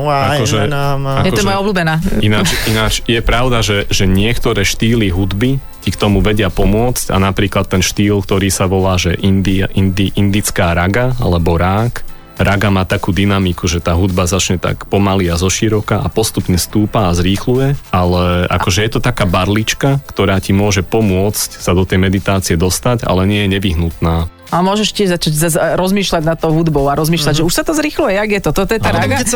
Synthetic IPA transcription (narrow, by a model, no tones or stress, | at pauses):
akɔʒɛ | akɛɔmɔbluːbɛnaːinat͡ʃinat͡ʃjɛpɾaʊd̪aʒɛʒɛɲɪɛkt̪ɔɾɛːʃt̪iːliɦud̪bi | cikt̪ɔmuʋɛɟɪapɔmʊɔt͡sca̰napɾiːklat̪ːɛnʃt̪iːlkt̪ɔɾiːsaʋɔlaːʒɛʔind̪iaʔind̪iʔind̪it͡skaːɾaɡaa̰lɛbɔɾaːk | ɾaɡamaːt̪akuːd̪inamikuʒɛt̪aːɦud̪bazat͡ʃɲɛt̪a̰kpɔmaliazɔʃiɾɔkaʔapɔst̪upɲɛst̪uːpaːzɾiːxlujɛalɛʔa̰kɔʒɛjɛt̪ɔt̪akaːbaɾlit͡ʃkakt̪ɔɾaːcimʊɔʒɛpɔmʊɔt͡scsad̪ɔt̪ɛjmɛd̪it̪aːt͡siɛd̪ɔst̪aca̰lɛɲɪɛjɛɲɛʋiɦnut̪naː | almʊɔʒɛʃcɪɛʒzat͡ʃaɟzazɾɔzmiːʃlaɟnat̪ːɔʊɦud̪bɔʊaɾɔzmiːʃlaɟʒɛuʃsat̪ɔzɾixlujɛjaɡjɛt̪ɔt̪ɔt̪ɔjɛaɾaɡ